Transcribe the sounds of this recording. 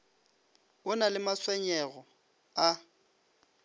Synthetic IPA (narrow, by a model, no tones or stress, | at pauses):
ʊnalɪmaswɛɲɛɣɔ | a